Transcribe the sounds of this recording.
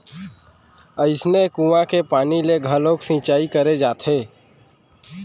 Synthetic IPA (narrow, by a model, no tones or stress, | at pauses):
əɪsnekũːʋãkepaːnileɡʱəloːksĩːt͡ʃaːikəɾed͡ʒaːt̪ʰɦeː